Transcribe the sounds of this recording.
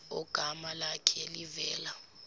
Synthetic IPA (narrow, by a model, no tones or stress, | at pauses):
ɔ̰ɡ̥ʱamalakʰɛlivɛːla